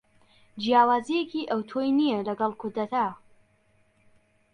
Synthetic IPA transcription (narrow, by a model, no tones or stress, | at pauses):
d͡ʒijaːwaːzijekiʔɐwt̪ʰoːjnijɛlɐɡɐlˠkʰʊɾd̪ɐt̪ʰa